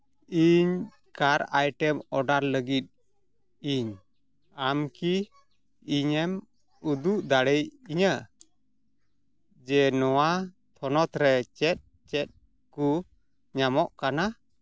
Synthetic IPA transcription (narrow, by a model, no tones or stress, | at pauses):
iɲ | kaɾa̰jʈɛmɔɖaɾləɡit̪̚ | iɲ | amkiː | ɲɛm | ud̪uʔd̪aɽəjiɲə | d͡ʒɛnɔwa | t̪ʰɔnɔt̪ɾɛt͡ʃɛt̪̚ | t͡ʃɛt̪̚ | ku | ɲamɔʔkana